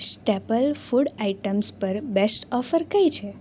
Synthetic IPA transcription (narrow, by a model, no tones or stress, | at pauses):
sʈepəlfuɽaiʈəmspəɾbesʈɔfəɾkəjt͡ʃʰe